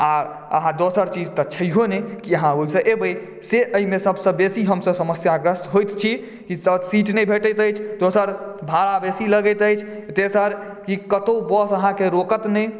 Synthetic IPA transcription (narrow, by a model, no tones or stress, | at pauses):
aɾ | ə̰ɦãd̪osəɾt͡ʃid͡ʒt̪ət͡ʃʰəjɦonekiəɦãoisə̃ʔebəj | seʔəimesəbsə̃besiɦəmsəsəməsjaɡɾəsɦojt̪t͡ʃʰi | kisəsiʈnɛjbʱeʈəjt̪əjt͡ʃʰd̪osəɾbʱaɾabesiləɡət̪əjt͡ʃʰt̪esəɾ | kikət̪obɔsəɦãkeɾokət̪nɛ